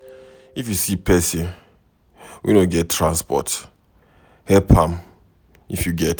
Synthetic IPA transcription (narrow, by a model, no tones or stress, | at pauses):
ifjusipʰɛsĩn | wʔḭnoɡɛtʰːɹãnspɔ̰t | hɛpʰãm | ifjuɡɛt